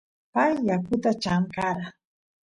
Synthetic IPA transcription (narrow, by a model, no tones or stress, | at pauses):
pajːakʊt̪at͡ʃamkaɾa